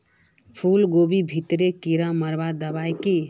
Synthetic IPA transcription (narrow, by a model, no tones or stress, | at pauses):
pʰulɡobibʱit̪ɾekiɾaməɾbad̪əbajke